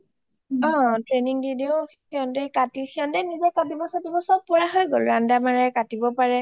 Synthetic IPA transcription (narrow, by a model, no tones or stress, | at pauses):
ɔ̃tɹeniŋdideo | kɔndɛkatixɔndɛnizɛkatibɔsatibɔsɔk̚pɔɹaɦɔjɡolɹandamaɹɛkatibɔpaɹɛ